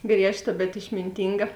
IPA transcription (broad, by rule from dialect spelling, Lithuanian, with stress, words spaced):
ˈɡrʲiɛʃˌtɐ bʲɛt ɪʃʲmʲɪnʲˈtʲiːŋɡɐ